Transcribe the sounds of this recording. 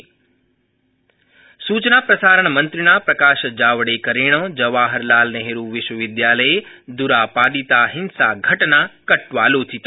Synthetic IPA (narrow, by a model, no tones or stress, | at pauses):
suːt͡ʃnapɾəsaːɾəɳ̃mə̃nt̪ɾɪnapɾɐkaːʃd͡ʒaːʋɽekəɾeɽ̃əd͡ʒəʋaːɦəɾlaːlneɦeɾũʋɪʃʋəʋɪd̪jaːləed̪uɾapaːd̪it̪aɦɪnsaɡʱəʈnakəʈʋaːloːt͡ʃʰit̪